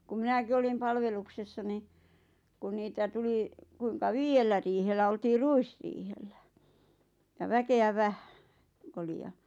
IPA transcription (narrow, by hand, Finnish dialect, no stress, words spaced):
ku minæki olim pɑlʋeluksesːɑ ni kun niːtæ tuli kuiŋkɑ ʋiːjelːæ riːhelːæ oltiː ruisriːhelːæ jɑ ʋækeæ ʋæhæ̥ k oli jɑ